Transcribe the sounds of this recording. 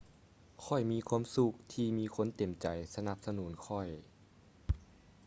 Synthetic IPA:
kʰɔ˧˩jmiː˧kʰwaː˧˥˨msu˧˩k̚t̪ʰiː˧miː˧˥˧kʰo˧˥˨nt̪e˨˩mt͡ɕa˨jsa˧na˧˩p̚sa˧nuː˨˩˦nkʰɔ˧˩j

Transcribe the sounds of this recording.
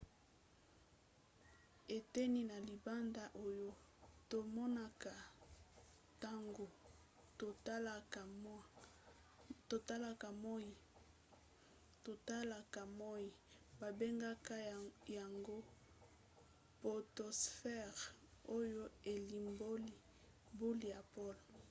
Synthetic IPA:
e˨te˦ni˦na˨li˨ba˦nda˦ʔo˦jo˦ | to˨mɔ˦na˦ka˨ | ta˦ŋɡo˨˦ | lk | to˨ta˦la˦ka˨mɔ˦i˨ | to˨ta˦la˨ka˨mɔ˦ji˨ba˨be˦ŋɡa˦ka˦ja˨ŋɡo˦ | po˨to˨sfɛ˦ʁo˦jo˦e˨li˨mbo˦li˦ | bu˦li˦˨ja˨po˦lo˨

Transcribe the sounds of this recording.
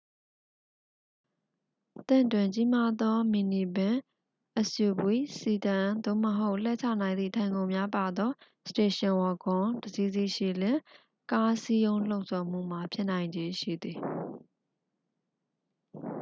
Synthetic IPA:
t̪ɪ̰̃˦˨ntwɪ̃˨ɲt͡ɕi˦ma˦d̪ɔ˦mi˨ni˨bɪ̃˨ | ʔəsju˨bwi˦˨si˨tã˨d̪o̰˦˨məɦo˦ʊʔl̥ɛ˦˨t͡ɕʰa̰˦˨nã˨ɪ̃nd̪ḭ˦˨tʰã˨ɪ̃ŋɡõ˨ʊ̃mja˦pa˨d̪ɔ˦ | ste˨ʃɪ̃˨wɔ˨ɡõ˨˦dəzi˦zi˦˨ʃḭ˦˨lɪ̃˦˨ | ka˦si˦jõ˦ʊ̃l̥o˦ʊʔsɔ˨m̥ṵ˦˨m̥a˨pʰjɪ˦ʔnã˨ɪ̃ɲd͡ʑe˦ʃḭ˦˨d̪ði˨

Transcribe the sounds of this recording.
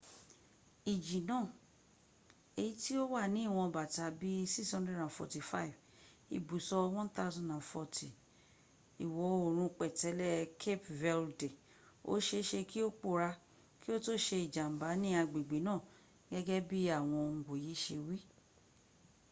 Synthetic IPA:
i˨d͡ʒi˨nãː˦˨ | e˧ji˦ti˦o˦wa˦˨nĩ˨˦i˦˨w̃ɔ̃˧ba˨ta˧˦bi˦si˦shɔ̃˦ndɛ˦dã˨fɔ̰˨ti˨fa˦i˨v | ḭ˨bu˨sɔ˧˦wɔ̃˦nt̪a˦ʊ˦zɔ̃˦ndã˨nfɔ˧tʰi˨ | i˨wɔ˨o˨ɾ̃ũ˧k͡pɛ˨tɛ˨˦lɛ˦kʰe˦pvɛ˧lde˨ | o̰˦ʃe˧˦ʃe˧ki˦o˦k͡po˧˨ɾa˧ | ki˦o˦to˦ʃe˧i˨d͡ʒa˨m̩˨ba˨˦nĩ˦a˧ɡ͡bi˨ɡ͡be˨˦nãː˦˨ | ɡɛ˦ɡɛ˦bi˦a˦˨w̃ɔ̃˧ŋ̩˨ɡo˨ji˨˦ʃe˧wi˦

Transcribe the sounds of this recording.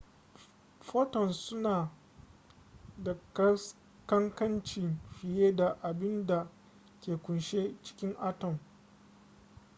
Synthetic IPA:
ɸoː˦tɔ˨nsʊ˦naː˨ | dɐ˨kɐ˦s | kɐ˦ŋkɐ˦nt͡ʃɪ˨ŋɸɪ˨jeː˦da˨ʔa˨bɪ˦nda˨ | kʲeː˨kʷʊ˨nʃeː˦t͡ʃɪ̥˦kʲɪ˦ŋʔa˦tɔ˨m

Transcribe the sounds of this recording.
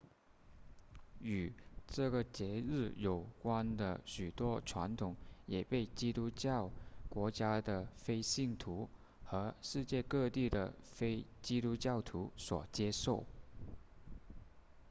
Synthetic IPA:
y˨˩ʈ͡ʂɤ˥˩ɡə˩t͡ɕjɛ˧˥ɻɻ̩˥˩jo˨˩ʊkwa˥nd̪ə̰˨ɕy˨˩t̪wɔ˥ʈ͡ʂʰwa˧˥nt̪ʰʊ˨˩˦ŋjɛ˨˩pe˥˩ɪt͡ɕi˥t̪u˥t͡ɕɑ˥˩ʊkwɔ˧˥t͡ɕja˥d̪ə˨fe˥ɪɕi˥˩ŋt̪ʰu˧˥ | xɤ˧˥ʂɻ̩˥˧t͡ɕjɛ˥˧kɤ˥˧t̪i˥˩d̪ə˩fe˥ɪt͡ɕi˥t̪u˥t͡ɕjɑ˥˩ʊt̪ʰu˧˥swɔ̰˨˩t͡ɕjɛ˥ʂo˥˩ʊ

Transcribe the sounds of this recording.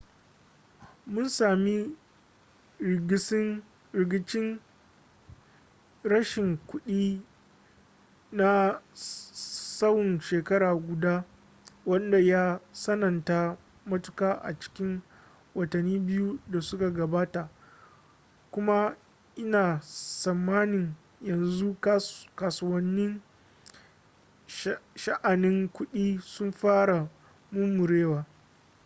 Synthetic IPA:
mʊ˦nsaː˨mi˦˨ | ɡ | ɾɪ˨ɡʲɪ˦t͡ʃɪ˦n | ɾɐ˦ʃɪ˨ŋkʷʊ˦ɗiː˦ | na˦ | sɐ˦wʊ˨nʃeː˨kɐ˦ɾaː˨ɡʷʊ˨daː˦ | wɐ˦nda˨ja˦sɐ˦nɐ˨nta˦ | mɐ˦tʊ˦kaː˦ʔa̰˨t͡ʃɪ̥˦kʲɪ˦ŋ | wɐ˨tɐ˨nːiː˦bɪ˦ju˦da˨sʊ˦ka˨ɡɐ˨baː˦ta˨ʔ | kʷʊ˦ma˦ | ʔɪ˦naː˨sɐ˨mːaː˦nɪ˨ŋ | jɐ˨nzu˦kaː˨sʊ˨wɐ˦nːɪ˦ŋ | ʃɐ˦ʔa˨nɪ˦ŋkʷʊ˦ɗiː˦sʊ˦mɸaː˦ɽa˨ | mʊ˦mːʊ˨ɾeː˦waː˨

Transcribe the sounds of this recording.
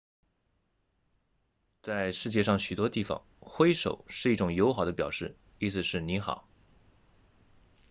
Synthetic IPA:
t͡sa˥˧ɪʂɻ̩˥˧t͡ɕjɛ˥˧ʂɑ˥˩ŋɕy˨˩t̪wɔ˥t̪i˥˩fɑ̰˨˩ŋxwe˥ɪʂo̰˨˩˦ʊʂɻ̩˥˧i˥˩ʈ͡ʂʊ˨˩ŋjo˧˥ʊxɑ˨˩ʊd̪ə˦pjɑ˨˩ʂɻ̩˥˩ | i˥sɹ̩˨˩ʂɻ̩˥˩ni˧˥xɑ̰˨˩˦ʊ

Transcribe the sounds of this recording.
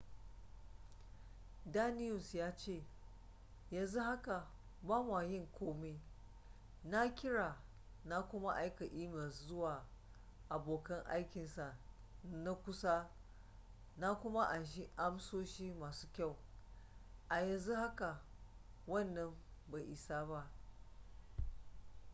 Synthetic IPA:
daː˦nɪ˦jʊ˨sjaː˦t͡ʃeː˦˨ | jɐ˨nzu˦ha˦ka˨ | ba˦waː˨jɪ˦˨ŋkʷoː˦me˦ | na˦kʲɪ˦ɽaː˨ | na˦kʷʊ˦ma˦ʔa˦jka˨ʔiː˦mɐ˨szʊ˦waː˨ | ʔa˨boː˨kɐ˦ŋʔa̰˦jkʲɪ˨nsa˨ | na˦kʷʊ˦sa˦ | na˦kʷʊ˦ma˦ʔa˨ʃi˦ʔa˦msoː˦ʃiː˦maː˨su̥ː˦kʲa˦˨w | ʔa˨jɐ˨nzu˦ha˦ka˨ | wɐ˦˨nːɐ˦m | ba˨ʔɪ˨saː˦ba˦ʔ

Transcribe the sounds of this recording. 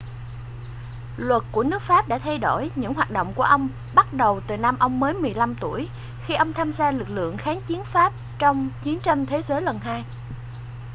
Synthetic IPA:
lwə˨˩t̚ku˧˩ənɨ˦˥ək̚faː˦˥p̚ɗa̰ː˧˥˩t̪ʰa˧jɗo˧˩jɲɨ̰˧˥ŋɦwaː˨˩t̚ɗo̰˧˨wŋ͡mku˧˩əʔə˧wŋ͡m | ɓa˦˥t̚ɗə˨˩wt̪ɨ˨˩naː˧mʔə˧wŋ͡mːəː˨˦jmɨ˨˩əjla˧mt̪u˧˩əj | xi˧ʔə˧wŋ͡mt̪ʰaː˧mzaː˧lɨ˨˩k̚lɨ̰˧˨əŋxaː˨˦nt͡ɕi˨˦ənfaː˦˥p̚ | t͡ɕɔ˧wŋ͡mt͡ɕi˨˦ənt͡ɕə˧mt̪ʰe˨˦zəː˨˦jlə˨˩nɦaː˧j

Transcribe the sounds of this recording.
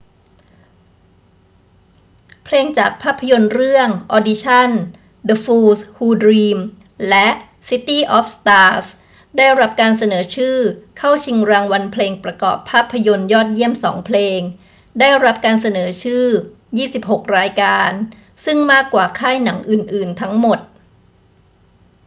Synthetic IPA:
pʰleː˧ŋt͡ɕaː˨˩k̚pʰaː˥˩pʰːa˧jo˧nɾɯ˥˩əŋʔɔː˧di˧˥t͡ɕʰa˥˩n | də˧fuː˧shuː˧dɾiː˧m | lɛ˦˥ʔ | si˦˥t̪iː˥˩ʔɔː˦˥p̚st̪aː˧˥s | daː˥˩jɾa˦˥p̚kaː˧ns̬a˧nɤː˩˦t͡ɕʰɯː˥˩kʰa˥˩wt͡ɕʰi˧ŋɾaː˧ŋwa˧npʰleː˧ŋpɾa˧kɔ̰ː˨˩pʰːaː˥˩pʰːa˧jo˧njɔː˥˩t̪̚ji˥˩əmsɔː˩˦ŋpʰleː˧ŋ | daː˥˩jɾa˦˥p̚kaː˧nsa˧nɤː˩˦t͡ɕʰɯː˥˩ | jiː˥˩si˨˩p̚ho˨˩k̚ɾaː˧jkaː˧n | sɯ˥˩ŋmaː˥˩kːwaː˨˩kʰaː˥˩jna˩˦ŋʔɯː˨˩nʔɯː˨˩nt̪ʰa˦˥ŋmo˨˩t̪̚

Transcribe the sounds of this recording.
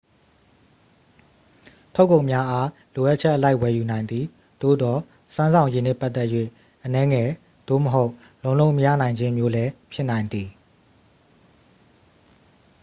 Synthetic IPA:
tʰo˦ʊkːõ˨mja˦ʔa˦ | lo˨ʔa˦tʔət͡ɕʰɛ˦ʔəla˦ɪʔwɛ˨ju˨nã˨ɪ̃nd̪ði˨ | d̪̥o̰˦˨d̪ɔ˨ | sã˦nzã˨ʊ̃je˨nɛ̰˦˨pa˦ʔt̪ɛ˦ʔjwḛ˦˨ | ʔənɛ˦ŋɛ˨ | d̪̥o̰˦˨məɦo˦ʊʔ | lõ˨ʊ̃lõ˦ʊ̃məjä̰˦˨nã˨ɪ̃ɲd͡ʑɪ̃˦mjo˦lɛ˦pʰjɪ˦nã˨ɪ̃nd̪ði˨

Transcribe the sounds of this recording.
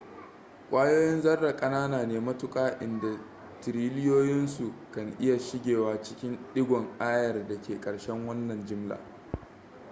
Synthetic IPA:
kʷʼaː˦joː˦jɪ˦nzɐ˦rːa˨kʼɐ˦naː˦naː˨neː˦mɐ˦tʊ˦kʼaː˦ʔɪ˨nda˨ | tɪ˨ɾiː˦lɪ˦joː˦jɪ˦nsu˨kɐ˨ŋʔɪ˦ja˨ʃɪ˦ɡʲeː˨waː˨t͡ʃɪ̥˦kʲɪ˦nɗɪ˦ɡʷɔ˨ŋʔaː˦jɐ˨rda˨kʲeː˨kʼɐ˨ɽʃɛ˦ŋwɐ˦nːɐ˨nd͡ʒɪ˦mla̰ː˨

